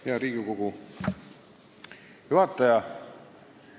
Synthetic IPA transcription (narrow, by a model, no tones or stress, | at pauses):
jɑɾiːɡikoɡ̥u | hyɑt̪ːɑjɑ